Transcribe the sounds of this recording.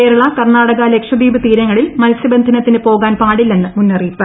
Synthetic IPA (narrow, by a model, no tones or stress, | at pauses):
eːɾɐɭɐkɐrnaːɽɐɣɐlekʂɐd̪iːbɨt̪iːɾɐŋːɐɭilmɐlɐsjɐbɐnd̪ʱɐnɐt̪ːinɨpo̞ːɣaːnpaːɽilːe̞nːɨmunːɐriːpːɨ